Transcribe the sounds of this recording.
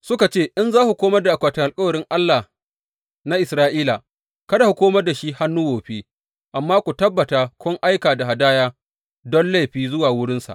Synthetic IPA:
sʊ˦ka˨t͡ʃeː˦˨ʔɪ˦nzaː˦ku˨kʷoː˦mɐ˦rda˨a˨kʷaː˨tɪ˨ŋʔa˨lkʼɐ˦wɐ˨ɽɪ˦ŋʔa˦lːa˨ | na˦ʔɪ˨sɾaː˦ʔiː˦la˨ | kɐ˦da˨ku˨kʷoː˦mɐ˦rda˨ʃi˦ha˦nːʊ˦woː˨ɸeː˦ | ʔa˨mːaː˦kʷu˨tɐ˦bːɐ˨taː˨kʷʊ˦ŋʔa˦jkaː˨da˨ɦa˨daː˦jaː˦ | dɔ˦nla˦˨ɸiː˦zʊ˦waː˨wʊ˦ɽɪ˦nsa̰˨

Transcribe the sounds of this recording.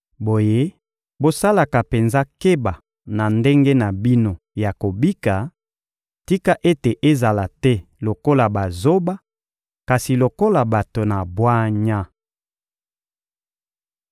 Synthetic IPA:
bo˨je˦ | bo˦sa˦la˨ka˨pe˨nza˦ke˦ba˨ | na˨nde˦ŋɡe˦na˨bi˦no˦ | ja˨ko˨bi˦ka˨ | ti˦ka˦ʔe˦te˨ʔe˦za˨la˨tɛ˦lo˨ko˦la˨ba˨zo˦ba˦ | ka˨si˨lo˨ko˦la˨ba˨to˨na˨bwa˦ɲa˦

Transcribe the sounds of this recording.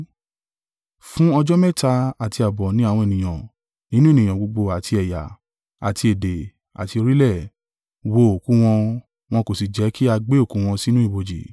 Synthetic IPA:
fũ˦ɔ˧d͡ʒɔ˦mɛ˦˨ta˧a˨ti˧a˨bɔ˨nĩ˨˦a˦˨wɔ̃˧e˨nĩ˨j̃ã˨ | nĩ˦nũ˦e˦˨nĩ˨j̃ã˨ɡ͡bo˧ɡ͡bo˧a˨tʰi˧ɛ˨ja̰˨ | a̰˨ti˧e˨de˨ | a̰˨ti˧o˧ɾi˦lɛ˦˨ | wo˧˨o˨kũ˨˦w̃ɔ̃˧ | w̃ɔ̃˧ko˨si˨d͡ʒɛ˨˦kʰi˦a˧ɡ͡be˦o˦˨kũ˨˦w̃ɔ̃˧si˦nũ˦i˦˨bo˨d͡ʒḭ˨

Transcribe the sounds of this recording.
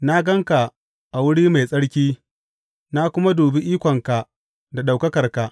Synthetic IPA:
na˦ɡɐ˦ŋka˨ | ʔa˨wʊ˦ɽiː˦ma˨jsʼɐ˦ɽkʲiː˦ | na˦kʷʊ˦ma˦duː˨bi˦ʔiː˦kʷɔ˨ŋka˨ʔ | da˨ɗa˨wkɐ˦kɐ˨rka˨ʔ

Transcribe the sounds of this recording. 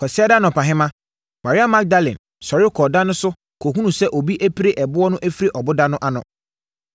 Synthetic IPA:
kʰɔ˨sɪ˦ɛ˦da˦nʊ̃˨pʰã˨ɦɪ̃˦mã˦ | ma˨ɾɪ˦a˦mã˦k̚da˦lɛ̃˨n | sɔ˨ɾɪ˦kʰɔ˨dã˦nʊ̃˦sʊ˦ | kʰo˨ɦũ˦nũ˨sɛ˦ʔo˨bi˦ʔæ˦pʰi˦ɾe˦ʔɛ˨bʊ˦ɔ˦nʊ̃˦ʔæ˦fi˦ɾe˦˨ʔɔ˨bʊ˦dã˦nʊ̃˦ʔa˦nʊ̰̃˨

